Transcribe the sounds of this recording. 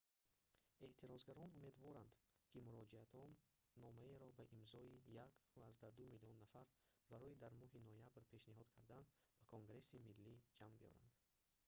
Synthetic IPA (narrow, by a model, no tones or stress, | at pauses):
e̞ʔt̪ʰiɾɔzɡaɾɔnume̞d̪vɔɾand̪kʰimuɾɔd͡ʒiat̪ʰɔnː | ɔmaeɾɔbaʔimzɔijakvaːzd̪ad̪umiliɔnːafaɾbaɾɔid̪aɾmɔɦinɔjabɾpʰe̞ʃniɦɔd̪kʰaɾd̪anbakʰoŋɡɾe̞similːid͡ʒambiɔ̰ɾa̰nd̪